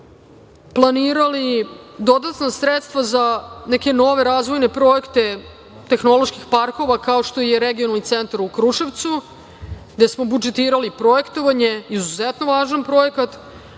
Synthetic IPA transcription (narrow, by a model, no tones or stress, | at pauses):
plˠaniːɾalid̪o̞d̪at̪nasɾet̪st̪vazaneke̞no̞ʋe̞ɾaːzʋo̞jne̞pɾo̞jekt̪e̞ | t̪exno̞lˠoʃkixpaɾko̞ʋakao̞ʃt̪o̞ijeɾeɡionalˠnit̪sent̪aɾukɾuʃeʋt̪su | ɡd̪esmo̞bud͡ʒet̪iːɾalipɾo̞e̞kt̪o̞ʋaɲe̞izuzet̪no̞ʋaːʒanpɾo̞jekat̪